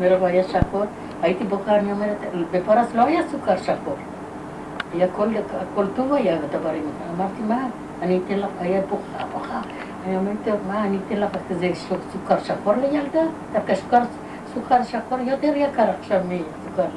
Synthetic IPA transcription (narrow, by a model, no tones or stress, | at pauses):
meɾavoajaʃakoɾ | ajit̪iboχaaniomeɾet̪befoɾasloajasukaɾʃakoɾ | ajakolakolt̪ovajaɡat̪abaɾimtaamaɾt̪imaː | niːt̪enlaχajaboχaboχa | aniomeɾt̪emaːniːt̪enlaχakazeʃosukaɾʃakoɾlejald̪at̪afkasu̥kaɾ | sukaɾʃakoɾjot̪eɾajakaɾaχʃavmiasukaɾ